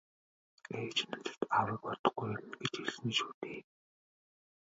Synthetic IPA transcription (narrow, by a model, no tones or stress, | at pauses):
eːt͡ɕnʊt͡ɕə̥̆t̪awə̆ːk̚pɔt̪ɞ̆χɡɡujmɡet͡ɕeɮsniːʃu̥ːt̪eː